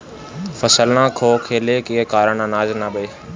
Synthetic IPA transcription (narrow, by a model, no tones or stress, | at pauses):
fəsəlnãːkʰoːkʰeːlekiɦkaːɾəɳənaːznaɓeː